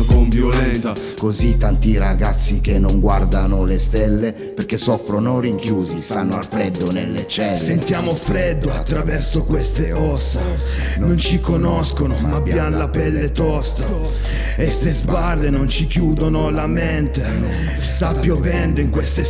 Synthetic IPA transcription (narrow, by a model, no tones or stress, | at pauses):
konvjolɛnna | kozit̪ːant̪iɾaɡat̪sːikenːoŋɡward̪anolest̪ɛlːe | perkesɔfɾonoriŋkjuːzist̪anːoalfɾɛd̪ːonḛlːet͡ʃɛlsːent̪jaːmofɾɛd̪ːoa̰t̪ːɾavɛrsokwest̪eɔsːa | nont͡ʃikonɔskonomabjanlapɛlːet̪ɔst̪a | est̪ezbard̪enont͡ʃikjuːd̪onolament̪e | st̪apːjovɛnd̪oiŋkwest̪e